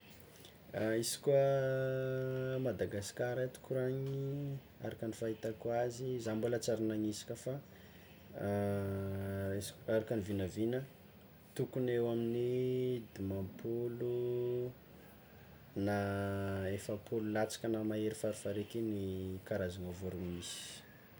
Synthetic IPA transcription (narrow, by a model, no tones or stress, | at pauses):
aisi̥kuə | mad̪aɡaskaɾat̪u̥kuɾaɲi | aɾakanifaɦit̪akwazizambulət͡saɾinaɲisi̥kʲəfa | aɾakanivinavinə | t̪ukunewaminid̪imampʰulu | na | efəpʰululat͡sḁkənamaeɾifaɾufaɾekinikaɾazaŋavoɾumisi̥